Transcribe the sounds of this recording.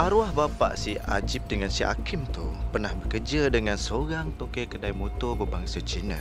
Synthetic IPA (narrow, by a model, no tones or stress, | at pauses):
ʔaɾuahbapa̰ʔsia̰d͡ʒip̚dəŋansia̰kɪmt̪ṵpərnahbəkərd͡ʒadəŋãnsəoɾaŋt̪okekədajmot̪ɔrbəbaŋsat͡ʃinə̰